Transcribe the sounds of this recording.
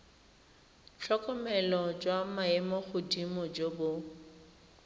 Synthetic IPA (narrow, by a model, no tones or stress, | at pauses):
t͡ɬʰɔkʼɔmɛlɔd͡ʒwamaɛmɔχʊdimɔd͡ʒobʊ